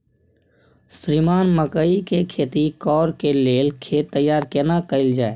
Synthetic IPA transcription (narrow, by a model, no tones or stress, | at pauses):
sɾiːmaːnməkəikekʰeːt̪ikɔːɾkeleːlkʰeːt̪ːəjːaːɾkeːnakəɪld͡ʒaːe